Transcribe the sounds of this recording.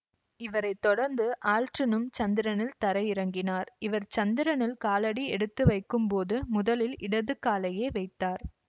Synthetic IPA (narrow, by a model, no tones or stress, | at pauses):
ɪʋɐɾɐɪt̪ːɔɽɐɾnd̪ɯʔaːlʈrɪnɯmt͡ʃɐnd̪ɪɾɐnɪlt̪ɐɾɐjɪɾɐŋɡɪnaːɾɪʋɐɾt͡ʃɐnd̪ɪɾɐnɪlkaːlɐɽiɛɽɯt̪ːɯʋɐɪkːɯmpoːðɯmʊðɐlɪlɪɽɐðɯkːaːlɐjeːʋɐɪt̪ːaːɾ